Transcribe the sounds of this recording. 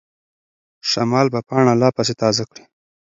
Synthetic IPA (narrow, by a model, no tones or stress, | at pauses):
ʃamɑːlbapɑːɳalɑpaset̪ɑːzakɽi̥